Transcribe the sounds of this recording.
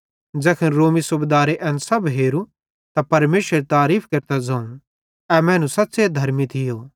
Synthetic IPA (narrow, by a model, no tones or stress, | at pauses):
d͡ʒɛːkʰənɾoːmisʊbed̪aːɾeʔɛ̃ːnsɐbɦeːɾu | t̪apɐɾmeːsəɾet̪aːɾiːpʰkeɾt̪ad͡ʒãːũ | ɛmɛ̃ːnũsɐt̪ːsed̪ʱɐɾmit̪ʰɪjoː